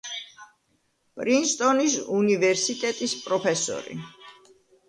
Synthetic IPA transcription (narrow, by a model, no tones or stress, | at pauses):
pʼɾinst̪ʼɔnisunivɛɾsit̪ʼɛt̪ʼispʼɾɔpʰɛsɔ̰ɾḭ